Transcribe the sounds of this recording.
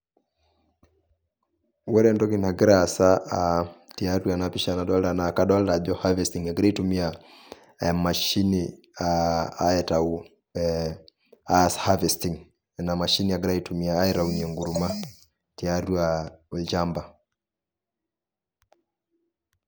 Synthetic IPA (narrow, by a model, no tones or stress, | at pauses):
wɛɾɛndɔkinaɡɛɾasaatiaɾuanapiʃanaɗɔldanakaɗɔldad͡ʒɔhavɛstiŋaɡɛɾaitumia | maʃini | aaɛtau | ashavɛstiŋ | namaʃiniaɡɛɾaitumiaːɛɾauɲɛŋɡuɾuma | tiaɾuaɛld͡ʒamba